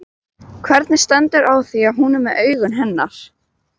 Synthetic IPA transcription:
kʰvɛɾt̪nɪ̥st̪ɛnt̪ʏɾʔawθiaðɦunʏmːɛðʔœːɥɣʏnɦɛnːaɾ̥

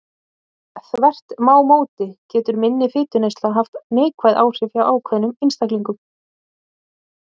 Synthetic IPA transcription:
θvɛr̥t̪maːwmoːwt̪ɪcɛːt̪ʏɾmɪnːɪfɪːt̪ʏnejst̪laɦaft̪neːjkʰvajðʔaːwr̥ɪfawʔaːwkʰvɛðnʏmɪnst̪akliŋkʏm

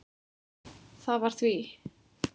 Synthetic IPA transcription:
θavaɾ̥θvi

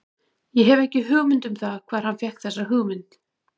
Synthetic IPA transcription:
jɛɦɛvɛhcɪɦʏːɣmʏnt̪ʏmθakʰvaːðɾ̥hanfjɛhkθɛsːaɦʏːɣmʏnt̪

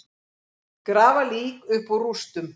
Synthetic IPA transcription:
kɾaːvaliːkʏhpɔrust̪ʏm

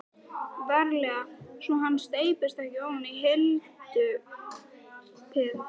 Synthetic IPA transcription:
vɛɾlɛɣasɔɦanːst̪eːjpɪst̪ahcɪawnaniɦɪl | t̪ʏ | t̪ʰɪð

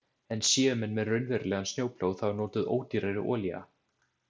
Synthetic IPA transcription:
ɛnsjɛːʏmɛnmɛðrʏɥnvɛɾlɛɣansnjoːwpʰl̥oːwðθawnoːt̪ʏðo̰ːwt̪iɾejɾɪ̰ʔɔːlia̰

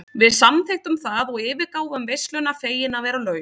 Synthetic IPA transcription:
vɪðsamθejht̪ʏmθaðɔɣɪːvɪɾkaːwɣʏmvejst̪lʏnafeːjɪnavɛːɾalœːɥ

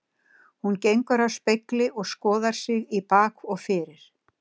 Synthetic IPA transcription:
huncejŋkʏɾawspejklɪʔɔɣskɔːðaɾ̥sɪɣipaːkɔɣfɪːɾɪɾ̥

